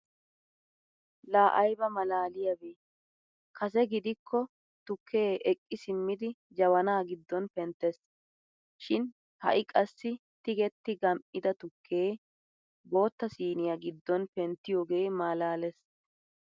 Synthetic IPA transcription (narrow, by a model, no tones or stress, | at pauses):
laːʔɐjbɐmɐlaːlɪjɐbeː | kʰɐs̬ɛɡɪd̪ɪkʰːɔ | t̪ʊkʰːe̞ːʔɛkʼːɪsɪmːɪd̪ɪ | d͡ʒɐwɐnaːɡɪd̪ːɔnpɛnt̪ːɛs | ʃɪn | hɐ̰ʔɪkʼɐsːɪ | t̪ɪɡɛt̪ːɪɡɐmpʼːɪd̪ɐt̪ʊkʰːeː | bo̞ːt̪ːɐsiːnɪjɐɡɪd̪ːɔnpɛnt̪ːɪjoːɡe̞ːmaːlaːlɛs